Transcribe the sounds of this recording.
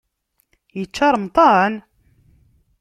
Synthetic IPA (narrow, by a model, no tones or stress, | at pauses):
jət͡ʃːɑɾˤmt̪ˤɑn